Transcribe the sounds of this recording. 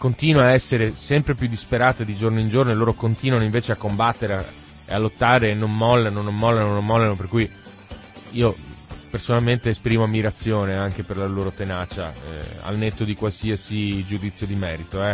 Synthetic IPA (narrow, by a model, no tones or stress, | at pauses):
kont̪iːnwaːɛsːeɾesɛmpɾepjud̪ːispeɾaːt̪ed̪id͡ʒornoind͡ʒornoeloːɾokont̪iːnwanoiɱveːt͡ʃeakːombat̪ːeɾea | ḛalːot̪ːaːɾeːnːonmɔlːenonomːɔlːanonomːɔlːenoperkuj | iːopersonalment̪eːspɾiːmoamːiɾat̪sːjoːneaŋk̟eperlaloːɾot̪enaːt͡ʃa̰ɛ̰a̰lnet̪ːod̪ikwalsiasid͡ʒud̪it̪sjod̪imɛːɾit̪oɛ